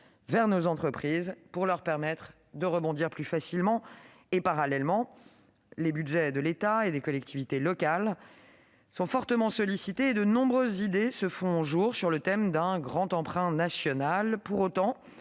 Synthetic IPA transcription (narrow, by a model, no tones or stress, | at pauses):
vɛʁnozɑ̃t̪χəpχizpuʁlœʁpɛʁmɛt̪χ | d̪əʁəbɔ̃d̪iʁplyfasilmɑ̃ | epaʁalɛlmɑ̃ | lebyd̪ʒɛd̪əlet̪aed̪ekɔlɛk̚t̪ivit̪elɔkal | sɔ̃fɔʁt̪əmɑ̃sɔlisit̪eːd̪ənɔ̃bʁøzːid̪esəfɔ̃ʒuʁsyʁlət̪ɛmd̪ɛ̃ɡʁɑ̃t̪ɑ̃pχɛ̃nasjɔnalpuʁot̪ɑ̃